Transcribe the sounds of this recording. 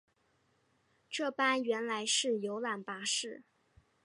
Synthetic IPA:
ʈ͡ʂɤ˥˩pa˥nɥɛ˧˥nla˧˥ɪʂɻ̩˥˩jo˧˥ʊla˨˩npa˧˥ʂɻ̩˥˩

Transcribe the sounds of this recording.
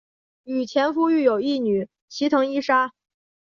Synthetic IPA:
y˨˩t͡ɕʰjɛ˧˥nfu˥y˥˩jo˨˩ʊi˥˩ny˨˩˦ | t͡ɕʰi˧˥t̪ʰɤ˧˥ŋi˥ʂa˥

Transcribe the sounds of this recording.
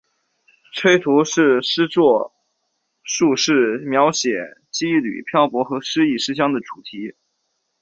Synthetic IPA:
ʈ͡ʂʰwe˥ɪt̪ʰu˧˥ʂɻ̩˥˩ʂɻ̩˥t͡swɔ˥˧ | ʂu˥˧ʂɻ̩˥˩mjɑ˧˥ʊɕjɛ˨˩t͡ɕi˥ly̰˨˩pʰjɑ˥˩ʊpwɔ˧˥xɤ˧˥ʂɻ̩˥i˥˩ʂɻ̩˥ɕ̬jɑ˥ŋd̪ə˨ʈ͡ʂu˨˩t̪ʰi˧˥

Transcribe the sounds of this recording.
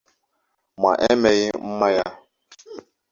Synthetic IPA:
ma̰˨ʔe˦me˨ɣɪ˦m̩˦ma˦ja˦

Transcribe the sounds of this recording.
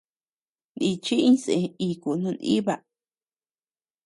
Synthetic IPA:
nĩ˧t͡ʃi˦ĩ˦sẽ˧i˧˨ku˨nũ˧nḭ̃˦βa˧

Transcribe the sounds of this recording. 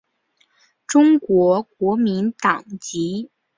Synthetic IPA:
ʈ͡ʂʊ˥ŋkwɔ˧˥kwɔ˧˥mi˧˥nt̪ɑ˨˩ŋt͡ɕi˧˥

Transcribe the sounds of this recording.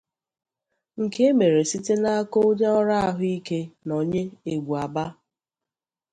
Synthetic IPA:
ŋ̩˨ke˦e˦me˨ɾe˨si˦te˦na˦a˦ko˦ʊ˦d͡ʒe˦ɔ˦ɾa˦a˦ɦʊ˦i˦ke˦no˨ɲe˦e˨ɡʷu˨a˨ba˦

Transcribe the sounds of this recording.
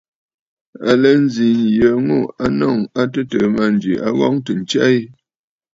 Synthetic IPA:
a˨lə˨˦n̩˦zi˨njə˨ŋo˦˨a˦nɔ˦˨ŋa˦tə˦tə˨ma˦˨n˨d͡ʒḭ˨ʔa˦ɣɔ˦ŋtə˨n˨t͡ʃa˦i˦

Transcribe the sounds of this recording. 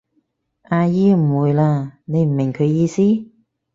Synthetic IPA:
ʔaː˧jiː˥m̩˨˩wuː˨˧jlaː˧ne˨˧jm̩˨˩mɪ˨˩ŋkʰɵ˨˧ɥjjiː˧siː˥

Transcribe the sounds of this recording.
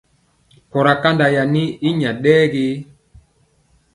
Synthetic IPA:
kɔ˨ɾa˨ka˦nda˨ja˨ni˦i˦ɲa˨ɗɛː˦ɡe˦

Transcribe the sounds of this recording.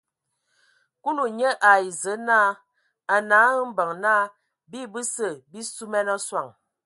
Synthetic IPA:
ku˦lu˨ɲə˦ʔa˨i˨zə˨˦naː˦˨ | a˨na˨˦m̩˦bə˨ŋnaː˦˨ | bi˦˨bɨ˦sə˨bi˦su˦mɛ˦nɔ˦swa˨ŋ

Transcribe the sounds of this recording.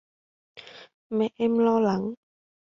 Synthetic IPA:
mɛ˧ʔe˧˥mlɔ˧la˨˦ŋ

